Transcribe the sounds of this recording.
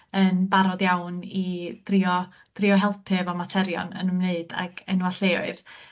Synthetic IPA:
ənbaɾɔdjawnid̥rɪɔ | d̥rɪɔɦɛlˠpʰɨvɔmatʰɛɾjɔ̰nə̰nəmneɨd̥a̰ɡ̥ənwaɬeːʊ̰ɨð

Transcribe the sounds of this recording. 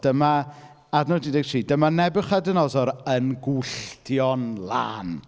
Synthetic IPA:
d̥əma | adnɔdidɛɡ̚tʰriːdəmanɛbɨχadənɔzɔɾənɡʊɬtʰjɔnlˠa̰ːn

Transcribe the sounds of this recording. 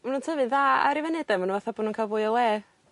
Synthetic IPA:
manuːntʰəvɨðaa̰ɾivɛnɛdɛmanunvaθaboːdnunkʰaːlˠvʊːɨɔlˠeː

